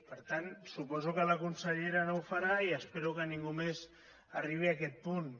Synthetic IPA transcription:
pəɾt̪ansupɔzukəlakunsəʎeɾanowfaɾaiəspeɾukənĩŋɡumez | ariβ̞iakɛt̪̚pun

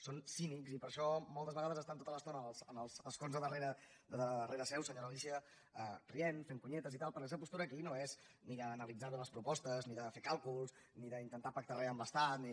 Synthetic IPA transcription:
sonsinikzipəɾʃɔmɔlˠt̪əzβəɣaðəzəst̪ant̪ot̪ələst̪onəəlˠzənəlˠsəlˠskonzðəðəreɾə | d̪əðəreɾəsɛwsəɲoɾəisiə | əkɾienfeŋkuɲɛt̪əzit̪alˠpɾkɛs̬əpust̪uɾəːkinoez | niðəːnəlid͡zaɾðuləspɾupɔst̪əzniðəfekalˠkulˠs | niðəint̪ənt̪apək̚t̪arɛəmbəst̪at̪ni

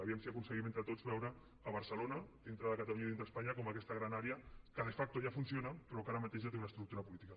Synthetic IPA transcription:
aβiəmsiakunsəɣiment̪ɾət̪od͡zβɛwɾəː | βəɾsəlonɐd̪int̪ɾəðəkət̪aluɲaiðint̪ɾəspaɲakoməkɛst̪əɣɾanaɾeəkəðefak̚t̪oʒafunsionapɾɔkaɾəmat̪eʒat̪eunɐəst̪ɾuk̚t̪uɾɐpulit̪ikɐ

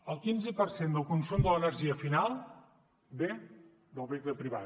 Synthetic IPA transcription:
əlˠkinzəpərsend̪əlˠkunsumd̪ələnəɾʒiəfinalˠ | be | d̪əlˠβikləpɾiβa̰

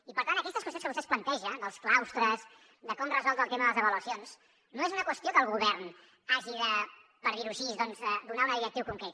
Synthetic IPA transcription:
ipəɾt̪ant̪əkɛst̪əskwəst̪onskəβust̪ɛsplənt̪ɛʒənəlˠsklawst̪ɾəz | d̪əkɔmrəzɔlˠd̪əːlˠt̪eməðələzəβəluəsions | noezunəkwəst̪iokəːlˠɣuβɛɾn | aʒiðə | pəɾðiɾuʃizðɔnzɛd̪unaunəðiɾək̚t̪iwkuŋkɾet̪

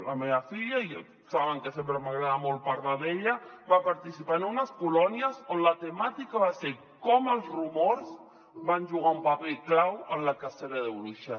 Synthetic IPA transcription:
ləmeβəfiʎai | saβəŋkəsempɾəmaɣɾaðamolˠpəɾlaðeʎəβapaɾt̪isipaənunəskulɔniəzonlət̪əmat̪ikaβase | kɔməlˠzrumoɾz | βanʲʒuɣ̞aumpapeklawənləkaseɾəðəwluʃa

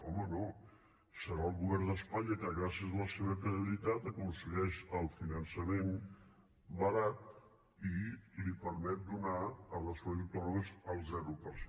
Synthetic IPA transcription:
ɔməno | səɾaəlˠɣuβɛɾd̪əspaɲəkəɣɾasiəzələseβ̞əkɾiəβilit̪at̪əkunsəɣɛʃəlˠfinənsəmen | bəɾat̪̚ | ilipəɾmɛt̪̚d̪unaːləspɾoðut̪oɾəzəlˠzɛɾupəɾs

